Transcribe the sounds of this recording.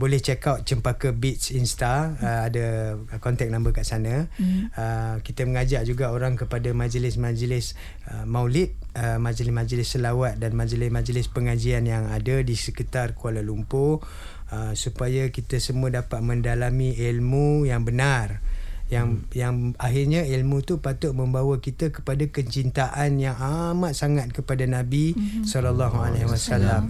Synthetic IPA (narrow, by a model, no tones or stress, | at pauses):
bolɛht͡ʃɛkat̪̚t͡ʃəmpakəbit̪t͡ʃinst̪aəadakɔnt̪ɛk̚nãmbəkaʔsanaəkit̪əməŋad͡ʒaʔ̚d͡ʒuɡaoɾaŋkəpadamãd͡ʒəlɪsmad͡ʒəlɪs | əmawlɪt̪̚əmad͡ʒəlɪsmad͡ʒəlɪsːəlawat̪̚danmãd͡ʒəlɪsmãd͡ʒəlɪspəŋad͡ʒianjaŋadadisəkit̪arkualalumpo | əsupajakit̪əsəmuədapat̪̚mə̃ndalamĩʔilmujaŋbənarjaŋjaŋaɦɪrɲailmũt̪upat̪ʊʔ̚məmbawakit̪akə̥padakəɲt͡ʃint̪aʔanjaŋamat̪̚saŋat̪̚kəpadanabisɔlalːaɦualaɦwasalam